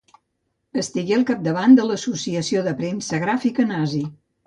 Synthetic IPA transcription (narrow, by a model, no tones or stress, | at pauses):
əst̪iɣeəlˠkap̚d̪əβand̪ələsusiəsioðəpɾensəɣɾafikənazi